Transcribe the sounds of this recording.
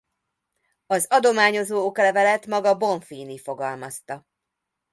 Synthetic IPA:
ɒzɒd̪o̞maːɲo̞zoːokɒlɛvɛlɛt̪mɒɡɒbo̞ɱfiːnifo̞ɡɒlmɒst̪ɒ

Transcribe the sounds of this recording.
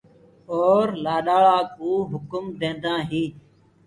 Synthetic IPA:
oːɾlaːɗaːɭaːkuːɦʊkʊmd̪ẽːnd̪ãːɦiː

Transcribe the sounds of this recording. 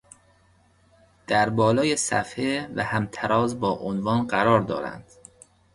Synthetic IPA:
d̪̥æɾbɒːlɒːjesæ̰fhevæ̰hæmt̪ʰæɾʔɒːzbɒːʔonvɒːnɢæɾɒːɾd̪ɒ̰ːɾæ̰nd̪̥

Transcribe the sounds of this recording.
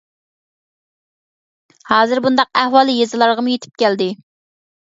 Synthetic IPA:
hɑːzɨɾbund̪ɑq̚æhwɑːlˠjezɨlˠɑɾʁəmujet̪ʰɪ̥p̚kʲɛld̪ɪ

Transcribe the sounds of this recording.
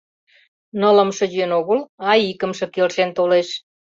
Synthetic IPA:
nələ̆mʃə̆jenoɣəlɑjikə̆mʃɤ̆kelʃent̪oleʃ

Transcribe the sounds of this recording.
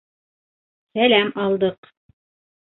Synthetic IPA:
sælæmɑlˠd̪ɤq

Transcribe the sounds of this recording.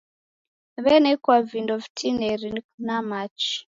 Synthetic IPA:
βɛnekwavindovitʰinerinunamat͡ʃi̥

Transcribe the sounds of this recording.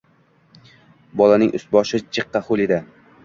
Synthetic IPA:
bɒlanɪŋʔʊ̰st̪̚bɒʃɪt͡ʃʰɨqːɑχʊlˠed̪ɪ

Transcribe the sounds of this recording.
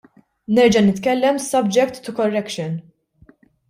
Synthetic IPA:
nɛɾd͡ʒɐnɪt̪kɛlːɛmsɔbd͡ʒɛkt̪ːʊkɔrːɛkʃɔn

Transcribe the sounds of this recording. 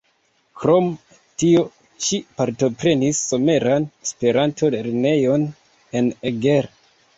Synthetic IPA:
kɾo̞m | tio̞ | ʃipaɾto̞pɾe̞nisːo̞me̞ɾanespe̞ɾantʰo̞leɾne̞jo̞n | e̞neɡe̞ɾ

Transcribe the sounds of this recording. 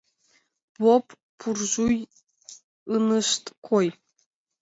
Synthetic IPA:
bopː | urʒuj | ɯnəʃt̪kʰoj

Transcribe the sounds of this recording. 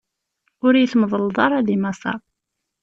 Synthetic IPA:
ʊɾjəθmðˤəld̪ˤɑɾˤɑðimɑsˤɑ̰

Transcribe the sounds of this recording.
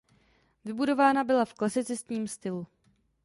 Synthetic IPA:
vɪbudo̞vaːnabɪlafklasɪt͡sɛst̪ɲiːmst̪ɪlu

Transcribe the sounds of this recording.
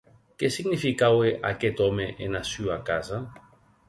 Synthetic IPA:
kesiɡnifikaweʔa̰ket̪ɔmeʔenasyakaza

